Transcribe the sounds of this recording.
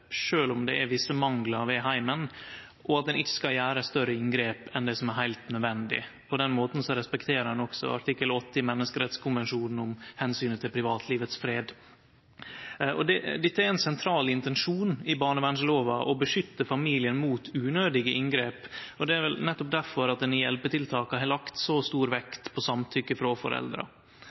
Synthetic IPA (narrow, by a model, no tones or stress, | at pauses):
ʂøːlʊmd̪ɛʔæʋɪsːəmɑŋɡlɑɾʋɛɦæɪmən | ʔɔɑt̪̚d̪ɛnɪçːə̥skɑljæːɾəst̪œɾəɪŋɡɾeːpɛnd̪ɛsɔmæɾɦæɪlt̪nœd̪ʋɛnd̪ɪ̰pʰɔd̪ɛnmoːt̪n̩sɔɾɛspɛkt̪ʰeːɾəɾɑnɔksɔ̰ɑ̰ʈ̪ʰɪkːəlɔt̪ːəɪmɛnːəskəɾɛt̪skʰʊnʋɛnʂuːnn̩ʊmhɛnsyːnət̪ʰɪlpʰɾɪʋɑːt̪ʰliːʋət̪sfɾeːd̪ | ʔɔd̪ɛd̪ɪt̪ːəæɾɛnsɛnt̪ʰɾɑːlɪnt̪ɛnʂuːnɪbɑːɳəbæɳʂloːʋɑ̰ʔɔbəʂʏt̪ːəfɑmiːlɪənmuːt̪ʉːnøːd̪ɪɡəʔɪŋɡɾeːpɔd̪ɛæɾʋɛlnɛt̪ːɔp̚d̪æɾfɔɾɑt̪̚ɛnjɛlpət̪ɪlt̪ʰɑːkəhɛlɑkt̪sɔst̪uːɾʋɛkt̪pʰɔsɑmt̪ʰʏkːəfɾɔfɔ̰ɾʔɛ̰ld̪ɾə̰